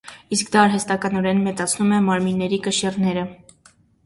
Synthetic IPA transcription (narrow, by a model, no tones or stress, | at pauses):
iskd̪ɑːɾɦɛst̪ɑkɑnɔɾɛnmɛt͡sɑt͡sʰnumɛmɑɾminːɛɾikəʃɛrnɛɾə